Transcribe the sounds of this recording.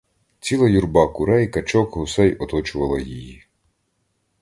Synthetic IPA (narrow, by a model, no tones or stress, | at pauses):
t͡sʲilˠɐjurbɑkʊɾɛjkɐt͡ʃɔkɦʊsɛjɔt̪ɔt͡ʃʊʋɐlˠɐjiji